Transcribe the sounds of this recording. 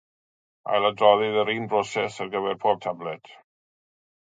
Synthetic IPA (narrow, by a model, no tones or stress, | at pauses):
a̰jlˠadrɔðɪðəɾiːnbrosɛsarɡəvɛrpʰoːb̚tʰablɛt